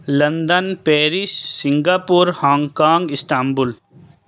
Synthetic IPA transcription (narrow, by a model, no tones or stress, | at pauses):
lɐ̃nd̪ənpɛːɾɪssɪ̃ŋɡaːpuɾhãːŋɡkaːŋɡɪst̪aːmbʊl